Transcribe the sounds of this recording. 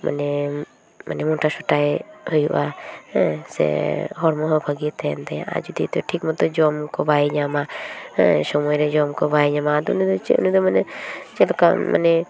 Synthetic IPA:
ma̰nɛ | ma̰nɛmɔʈasɔʈajhɔjuʔa̰ | sɛ̰ɦɔɽmɔɦɔbʱaɡit̪ɛnd̪ɛjã̰ʔa̰d͡ʒud̪it̪ʈʰik̚mɔt̪ɔd͡ʒɔmkɔbajɲamaɛ̰sɔmɔjɾɛd͡ʒɔmkɔbajɲamad̪ṵnid̪ɔt͡ʃɛ̰ʔunid̪ɔmanɛd͡ʒɛlka̰ma̰nɛ

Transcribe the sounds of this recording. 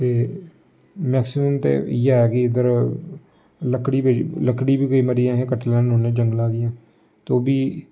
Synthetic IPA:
t̪eː | mɛːksɪməmt̪ḛːijaɛːkɪɪd̪əɾ | ləkːɽiːbeləkːɽiːbiːkoiːməɾiãːɦẽːkəʈlɛ̃ːnoːnẽːd͡ʒəŋɡlaːɡɪjãː | t̪oːbiː

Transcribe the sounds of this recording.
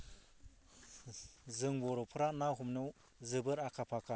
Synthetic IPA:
zɯŋbɔɾɔpʰɯɾanawɦumnɯw | zɯbɯɾakʰapʰakʰa

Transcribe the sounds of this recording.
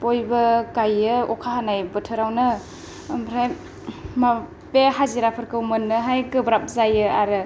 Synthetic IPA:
pojbɐkajɯɔkʰaɦanajbɯtʰɯɾawnɯ | mpʰɾaj | ma | beɦaziɾapʰɯɾkɯwmɯnːɯɦajɡɯbɾap̚zajɯaɾɯ

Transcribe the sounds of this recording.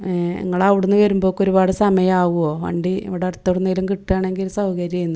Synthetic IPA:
ḭŋːɐɭaːʋiɽunːɨʋɐɾumbo̞ːkːo̞ɾubaːɽɨsɐmɐjɐmaːɣuo̞ːʋɐ̰ɳɖiḭʋiɽeɐrt̪ːɐɽunːiilumkiʈːaːɳe̞ŋɡilsɐwɣɐɾjɐjunːu

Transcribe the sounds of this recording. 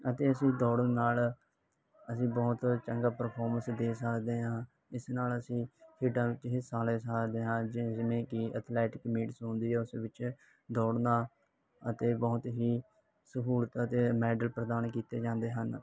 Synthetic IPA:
ət̪eːəsĩːd̪ɔːɽənnaːl | əsĩːbɔːt̪t͡ʃəŋɡaːpəɾpʰɔːɾmənsd̪eːsəkd̪eːɦãː | ɪsnaːləsĩːkʰɪːɖãːʋɪt͡ʃɦiːsaːleːsəkd̪eːɦãːd͡ʒɪd͡ʒɪmẽːkɪət̪ʰlɛːʈɪkmiːʈsɦõːnd̪iːɛːʊsʋɪt͡ʃ | d̪ɔːɽnaː | ət̪eːbɔːt̪ɦiː | səɦuːlət̪ət̪eːmɛːɖəlpɾəd̪aːnkiːt̪ḛːd͡ʒãːnd̪eːɦən

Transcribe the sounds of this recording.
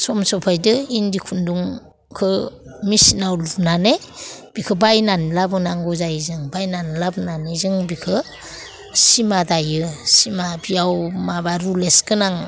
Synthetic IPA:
sɔmsɔpʰajdɯindikʰunduŋ | kʰɯmisinawlunaneb̥ikʰɯbajnanilabɯnaŋɡɔzajzɯŋbajnanlabɯnanizɯŋbikʰɯ | simadajɯsimabiawmabaɾulesɡɯnaŋ

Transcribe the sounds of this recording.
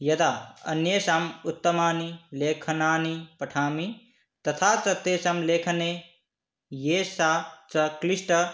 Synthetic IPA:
jɐd̪aːɐ̰njesaːmut̪ːɐmaːnileːkʰɐnaːnipɐʈʰaːmi | t̪ɐt̪ʰaːt͡sɐt̪ːeːsamleːkʰɐne | jeːsat͡sɐklisʈɐ

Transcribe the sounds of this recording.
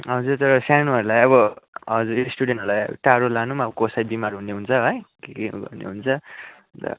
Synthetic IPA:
ɦʌd͡zuɾt̪ʌɾʌsanuɦʌɾulajʌβʌɦʌd͡zuɾsʈuɽenʈɦʌɾlajʌ̰ʈaɾolanumabʌkosajbimaɾɦunːeɦunt͡sʰʌɦʌjkikiɡʌ̰nḛɦunt͡sʰʌ | t̪ʌ̰

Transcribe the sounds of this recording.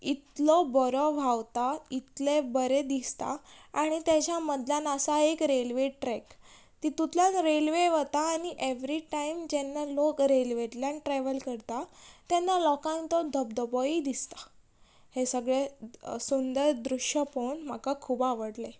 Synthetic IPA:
it̪lɔbɔɾɔʋ̤ʱawt̪ait̪lebəɾed̪ist̪a̰aɽ̃it̪jat͡ɕjaməd̪ljanasaekɾelʋeʈɾɛk | t̪it̪ut̪ljãnɾelʋeʋət̪aːɽ̃iʔeʋɾiʈaimd͡ʑenːalokɾelʋeʈljãnʈɾɛʋəlkəɾt̪at̪jɛnːalɔkãnt̪ɔd̪ʱəb̚d̪əbɔid̪ist̪ḁ | hesəɡɭesund̪əɾd̪ɾuʂjəponm̤akakʰuːbaʋəɽle

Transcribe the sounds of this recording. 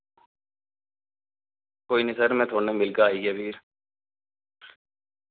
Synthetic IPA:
koːinɪsəɾmẽːt̪ʰoːnẽmɪlɡaːiːɡebiːɾ

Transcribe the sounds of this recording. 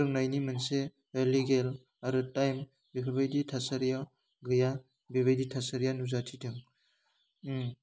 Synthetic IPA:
ɾɯŋnajnimɯnse | eliɡel | aɾɯtajm | bikʰabajditʰasaɾjaw | ɡɯja | biβajditʰasaɾjanuzatʰitʰɯŋ

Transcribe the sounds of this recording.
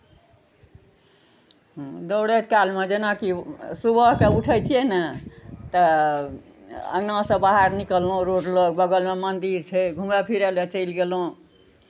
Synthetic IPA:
d̪oɽet̪kalmed͡ʒenakisubʱəɦkeuʈʰəjt͡ʃʰijɛnət̪ə | ə̰ɡnãsə̃baɦaɾnikəlːõɾoɖləkbəɡəlmemənd̪iɾt͡ʃʰɛɡʱumepʰiɾɛlet͡ʃəjlɡelõ

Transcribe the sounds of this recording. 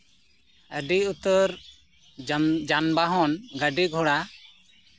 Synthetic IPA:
əɖiut̪ɔɾ | d͡ʒanbaɦɔnɡəɖiɡʱɔɽa

